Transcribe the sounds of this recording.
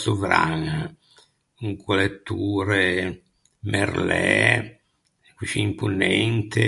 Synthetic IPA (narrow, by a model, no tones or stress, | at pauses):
suvɾa̰ŋa | uŋkulet̪ːuːɾe | merlɛ | kiʃiimpunɛnt̪e